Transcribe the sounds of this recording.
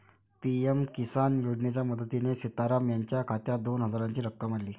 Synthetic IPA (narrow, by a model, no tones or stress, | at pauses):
piemkisanjoɽnet͡ɕjaməd̪ət̪inesit̪aɾamjaɲt͡ɕjakʰat̪jad̪onɦəd͡zaɾaɲt͡ɕiːɾəkːəmaɽliː